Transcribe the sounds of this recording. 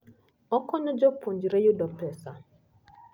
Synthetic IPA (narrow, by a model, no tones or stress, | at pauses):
ɔkɔnɔd͡ʒɔpʰoɲd͡ʒɾejodɔpɛsa